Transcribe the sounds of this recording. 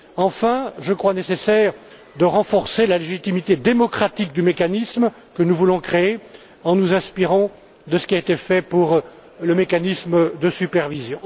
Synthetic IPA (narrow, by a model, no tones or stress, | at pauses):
ɑ̃fɛ̃ʒəkχwanesesɛːʁ | d̪əʁɑ̃fɔʁselaleʒit̪imit̪ed̪emɔkχat̪ik̚d̪ymekanism | kənuvulɔ̃kχee | ɑ̃nuzɛ̃spiʁɑ̃ | d̪əsə̥kʲiaet̪efɛpuʁ | ləmekanisməd̪əsypɛʁvizjɔ̃